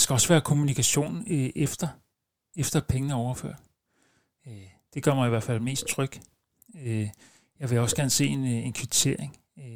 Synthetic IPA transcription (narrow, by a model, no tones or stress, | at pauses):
d̥esɡ̥æɒ̽sʋæːɐkʰo̝munikʰæɕo̝̰ːn̩ʔefd̥ɐ | efd̥ɐpʰeŋənəɒʊɐfø̰ɐ̰̥ | d̥e̝ɡ̥ɶɐ̰mɑ̈ɪiʋæɐfæl̰me̝̰ːsd̥̚t͡sʰʁœɡ̥ | jɑ̈ɪʋe̝ɒ̽sɡ̥æɐnəse̝̰ːene̝nkʰʋit͡sʰe̝ɐ̰eŋ